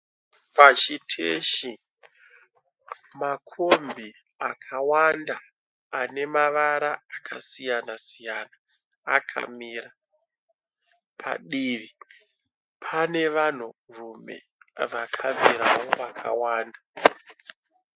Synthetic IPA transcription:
pat͡ʃitʰḛʃi | makʰombʱi | akʰawandaː | ne̞maʋaɾaːkʰasijanasijanaː | kʰa̰miːɾa | pʰa̰ɗiːʋi | pʰane̞ʋan̤urume̞̰ | ʋakʰavʱiɾawoʋakʰa̰waːnda

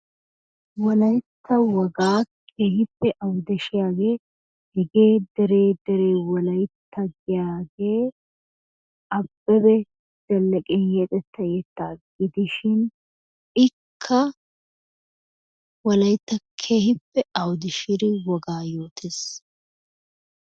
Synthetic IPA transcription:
wɔlɐjt̪ʰːɐwɔɡaːkʰeːhɪpːɛʔɐwd̪ɛʃɪjaːɡe̞ː | hɪɡeːd̪ɛɾeːd̪ɛɾe̞ːwɔlɐjt̪ːɐɡɪjaːɡe̞ː | ɐbːɛbɛ | d̪̥ɛlːɛkʼɪɛt̪ʼɛt̪ːɐjɛt̪ːaːɡɪd̪ɪʃɪn | ɪkʰːɐ | wɔlɐjt̪ːɐkʰeːhɪpːɛɐwd̪ɪʃɪɾɪwɔɡaːjo̞ːt̪ʰeːs

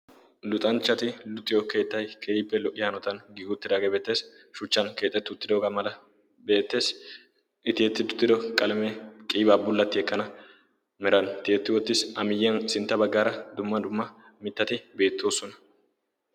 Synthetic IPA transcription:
lʊt̪ʼɐnt͡ʃːɐt̪ɪlʊt̪ʼːɪjɔke̞ːt̪ːɐjkʰeːɪpːɛlɔʔɪjɐnɔt̪ɐnɡiɡʊt̪ːɪd̪aːɡeːbeːt̪ːe̞ːs | ʃʊt͡ʃːɐnke̞ːt̪ʼːɛt̪ːʊt̪ːɪd̪oːɡɐmɐlɐ | be̞ːt̪ːe̞ːs | ɪt̪ɪɛt̪ːɪd̪ʊ̥t̪ːɪd̪ɔkʼɐlmɛkʼiːbaːbʊlːɐt̪ːɪɛkːɐnɐ | mɪɾɐnt̪ɪɛt̪ːɪwɔt̪ːɪsɐmɪjːɛnsɪnt̪ːɐbɐɡːaːɾɐd̪ʊmːɐd̪ʊmːɐ | mɪt̪ːɐt̪ɪbe̞ːt̪ːoːsɔnɐ̥

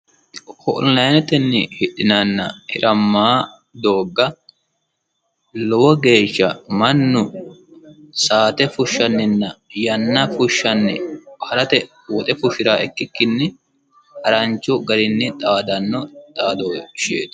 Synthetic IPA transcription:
hɔ̰ʔlɐjnɛt̪ɛnːɪhɪɗɪnɐnːɐ̰hɪɾʔɐmːaː | d̪o̞ːɡːɐ | lɔwɔɡe̞ːʃːɐmɐnːʊ | saːt̪ɛfʊʃːɐnːɪnːɐjɐnːɐfʊʃːɐnːɪ̰hɐɾɐt̪ɛ | wɔt̪ʼɛfʊʃɪɾaːʔɛkːɪkːɪnːɪ | hɐɾɐnt͡ʃːɔɡɐɾɪnːɪt̪ʼaːd̪ɐnːɔt̪ʼaːd̪oːʃḛːt̪

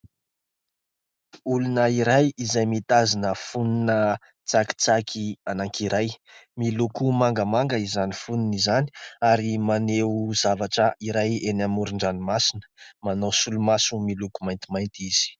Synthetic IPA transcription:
ulunəiɾajizajmit̪azinəfuninə | t͡saki̥t͡sakʰianaŋkʰiɾajmilukumaŋɡəmaŋɡəizanifuninizani̥aɾimaneuzavaʈ͡ʂəʔiɾajenamuɾuɳɖ͡ʐanimasinə̥manosulumasumilukumajnt̪imajnt̪iz̥i̥

